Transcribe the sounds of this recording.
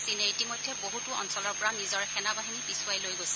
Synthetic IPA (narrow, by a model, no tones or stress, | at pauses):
sineitimojdʱːɛboɦutuɔ̰nsɔlɔɹpɔɹanizɔɹɛxʰɛnabaɦinipisuajlojɡojsɛ̥